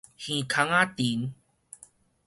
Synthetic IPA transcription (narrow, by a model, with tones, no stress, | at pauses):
hĩ˨kʰa˧˦ŋa˦t̪i˨˦n